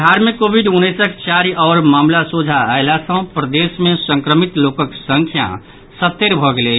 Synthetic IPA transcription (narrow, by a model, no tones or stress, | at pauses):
dʱaɾmẽkoːbʱiɖunːəsəkt͡ʃaɾiʔɔːɾmaːmlasod͡ʒʱaaelasə̃pɾəd̪eːsmẽsə̃ŋkɾəmit̪lokəksə̃ŋkʰja̰ | sət̪ːeɾbʱɔɡele